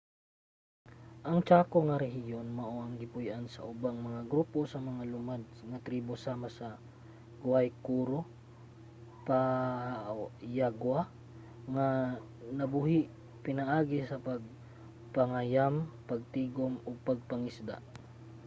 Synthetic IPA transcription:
ʔɐŋt͡ʃaːkoŋɐɾɛɦɪjonmɐʔoʔɐŋɡɪpʊjʔansɐ̰ʔʊbaŋmɐŋaɡɾuːposɐmɐŋalʊmad̪̚ŋɐt̪ɾiːbo̞saːmasɐ | ɡʊajkuːɾo | pa | jaɡwa | ŋa | nɐbʊhɪʔ | pɪnɐʔaːɡɪsɐpɐɡ̚ | pɐŋajampɐɡ̚t̪iːɡomoɡ̚pɐɡ̚pɐŋɪsd̪a̰

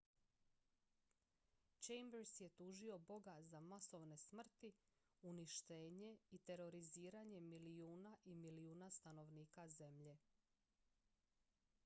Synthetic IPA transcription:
t͡ʃejmbɾsje̞t̪uːʒio̞bo̞ɡazamaso̞ʋne̞smr̩t̪i | uniʃt̪e̞ːɲe̞it̪e̞ɾo̞ɾiziːɾaɲe̞miliuːnaʔimiliuːnast̪ano̞ʋniːkaze̞mʎe̞

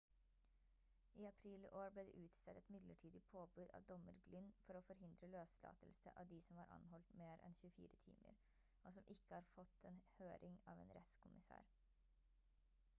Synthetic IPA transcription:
iːɑpʰɾiːləʔoːɾblɛːd̪ɛ̰ʔʉːt̪st̪ɛt̪ɛt̪mɪd̪ləʈʰiːd̪ɪpʰoːbʉːd̪ɑ̰ːʋd̪ɔməɾɡlʏnːfɔɾɔːfɔɾɦɪnd̪ɾəløːslɑ̰ːt̪əlsə̰ʔɑ̰ːʋd̪iːsɔmhɑːɾʔɑ̰nhɔlt̪meːɾʔɛ̰nçʉəfḭːɾət̪ʰḭːmə̰ɾ | ʔosɔmʔɪkːəhɑːɾfɔt̪ʰeːnhøːɾɪŋɑːʋḛːnɾɛt̪skʰʊmɪsæ̰ːɾ

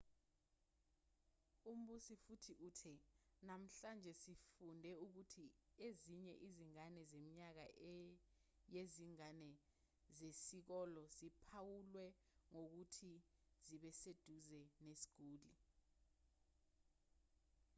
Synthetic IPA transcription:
um̩ɓusifutʰiʔuːtʰɛnam̩ɬand͡ʒʱɛsifundʱɛuk̬utʰieziɲɛʔiziŋanɛzemiɲak̬a̰ | jeziŋanɛ | zesik̬ɔlɔzipʰawulwɛ | ŋok̬utʰiziɓɛsed̥ʱuzɛnesi̥ɡ̥ʱuːli

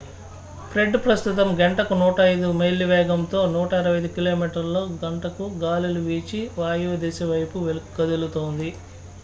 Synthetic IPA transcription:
pʰɾeɖpɾɐst̪ut̪ɐmɡeɳʈɐkunuːʈɐɐjd̪umelːiʋɛːɡɐmt̪o̞ːnuːʈɐiɾɐʋɐjd̪ukilo̞ːmiːʈɐɾlo̞ːɡɐɳʈɐkuɡaːluluʋiːt͡ʃiʋaːjuːd̪eːseʋɐjpuʋelukːɐd̪ulut̪o̞ːnd̪i

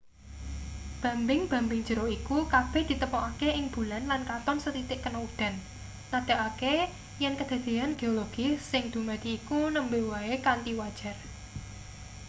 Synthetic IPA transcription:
b̥ä̤mbɪŋb̥a̤mbɪŋ̥d͡ʒ̥ə̤ɾoikukab̥ɛ̤hd̪̥i̤t̪əmɔʔakeɪŋb̥ṳlanlankat̪ɔnsət̪it̪ɪʔkːənɔud̪̥ä̤nː | ad̪̥a̤ʔake | jɛnkəd̪̥ä̤d̪̥e̤anɡ̥e̤oloɡ̥isɪŋd̪̥umat̪iːkunəmbewaekant̪iwad̥ʒ̥ä̤r

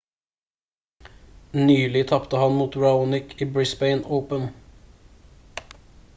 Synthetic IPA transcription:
nyːlɪt̪ʰɑpt̪əhɑnmuːt̪ɹɑuːnɪkʰiːbɹɪsbɛɪnəʊpən

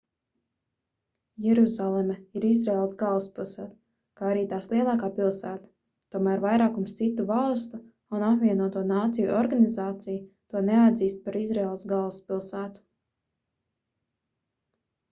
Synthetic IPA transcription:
jɛɾuzalˠemɛiɾizɾeːlˠsɡalˠspilˠsæːt̪ | kaːaɾiːt̪aːslˠiɛlˠɑːkaːpilˠsæːt̪ḁ | t̪uɔmæːɾvajɾaːkumst̪sit̪ːuvɑlˠst̪u | unapvʲiɛnuɔt̪uɔnaːt̪sijuɔɾɡanizaːt̪sijut̪uɔnead̪ziːst̪̚paɾizɾeːlˠsɡalˠspilˠsæːt̪u̥

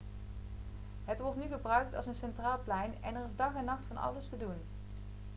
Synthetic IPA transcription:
ɦətʋɔɹtnyχəbrœɥk̚tɑ̰lˠsənsɛntraːlˠplɛjnɛ̰nɛrɪzdɑχɛnːɑχtfɑnɑ̰ləstədun

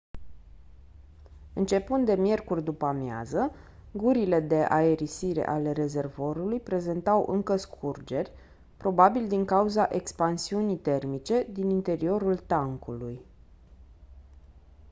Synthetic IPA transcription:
ɨnt͡ʃe̞pɨnd̪e̞mje̞rkurʲd̪upamja̰zə | ɡuɾile̞d̪e̞ʔa̰e̞ɾisiɾe̞̰ʔale̞ɾe̞ze̞rvo̞ɾulujpɾe̞ze̞nt̪awʔɨ̰ŋkəskʰurd͡ʒe̞rʲ | pɾo̞babild̪iŋkauzaʔe̞kspansiunijt̪e̞rmit͡ʃe̞d̪inint̪e̞ɾio̞ɾult̪aŋkṵluj

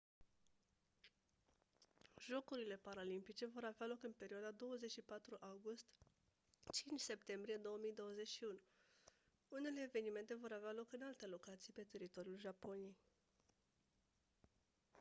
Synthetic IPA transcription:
ʒo̞kuɾile̞paɾalimpit͡ʃe̞vo̞ɾavealo̞kɨnpe̞ɾioad̪ad̪o̞wəze̞t͡ʃʃipat̪ɾuʔawɡust̪ | t͡ʃint͡ʃse̞pt̪e̞mbɾije̞d̪o̞wəmijd̪o̞wəze̞t͡ʃʃiunu | une̞le̞ːve̞nime̞nt̪e̞vo̞ɾavealo̞kɨnalt̪elo̞kat̪sijpe̞t̪e̞ɾit̪o̞ɾjulʒapo̞nije̞j

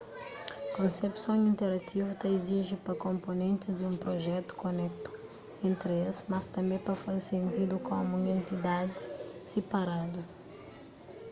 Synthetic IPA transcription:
kõnsepsõw̃ĩnt̪eɾat̪ʰivut̪ãiziʒupɾɐkõmponẽnt̪ɪzd̪ɪũpɾoʒɛt̪u̥konɛk̚t̪u̥ | ẽnt̪ɾesmɐst̪ɐ̃mbẽj̃pɾɐfazesẽnt̪id̪ukõmũŋẽnt̪id̪ad̪ɪsepaɾad̪u

